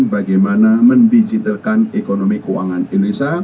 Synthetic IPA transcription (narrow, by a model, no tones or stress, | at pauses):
baɡajmanaməndid͡ʒit̪əlkanekonomikowa̰ŋanelisa